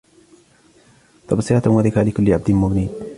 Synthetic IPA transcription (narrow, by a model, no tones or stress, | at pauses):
t̪ɑbsˤiat̪anwaðɪkaːlɪkʊlːɪʕab̚d̪ɪnmʊɡniːd̪